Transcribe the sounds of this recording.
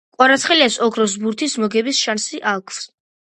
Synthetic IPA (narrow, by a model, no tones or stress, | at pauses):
kʼwaɾat̪sʰχɛliasɔkʰɾɔs̬buɾt̪ʰismɔɡɛbisʃansiʔalˠkʰvs